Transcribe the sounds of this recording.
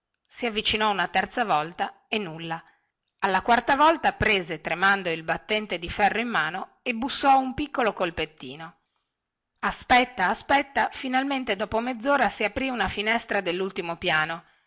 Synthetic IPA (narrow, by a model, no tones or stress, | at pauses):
siavːit͡ʃinɔunat̪ɛrt̪savɔlt̪a | enːulːa | alːakwart̪avɔlt̪apɾeːzet̪ɾemand̪oilbat̪ːɛnt̪ed̪ifɛrːoimːaːno | ebusːɔumpikːolokolpet̪ːiːno | aspɛt̪ːaːspɛt̪ːafinalment̪ed̪ɔːpomed̪zːoːɾasiapɾiunafinɛst̪ɾad̪elːult̪imopjaːno